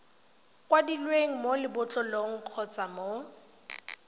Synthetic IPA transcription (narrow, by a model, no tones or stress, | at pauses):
kwadilweŋ̩molɪbʊt͡ɬʼɔloŋ̩q͡χʰɔt͡samo